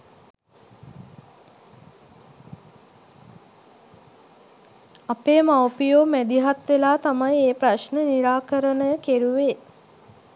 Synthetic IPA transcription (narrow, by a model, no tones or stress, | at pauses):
apeːmawpijoːmæd̪iɦat̪ʋelaːt̪amajeːpɾaʃnəniɾaːkəɾənəjəkeɾuʋeː